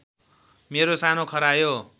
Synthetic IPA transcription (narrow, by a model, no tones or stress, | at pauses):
meɾosanokʰʌɾajo